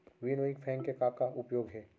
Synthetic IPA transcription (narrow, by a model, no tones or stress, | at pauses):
ʋinoːɪkpʰɛ̃ːŋkekaːp̚kaʊpjoːɡɦɛː